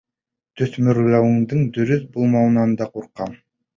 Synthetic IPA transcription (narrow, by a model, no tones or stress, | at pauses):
t̪ʰɵθmyɾlɑwɯŋd̪ɯŋd̪ɵɾʏθbulˠmɑwnɑnd̪ɑquɾqːɑm